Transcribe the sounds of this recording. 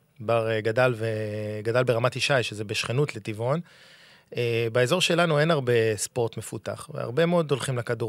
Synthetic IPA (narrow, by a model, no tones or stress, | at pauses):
baʁɡadalveɡadalbeʁamatiʃajʃezebeʃχenutle̞t̪ivo̞n | ebaezo̞ʁʃe̞lanue̞naʁbe̞spo̞ʁt̪me̞futa̰χvḛa̰ʁbe̞meo̞do̞lχimlakadu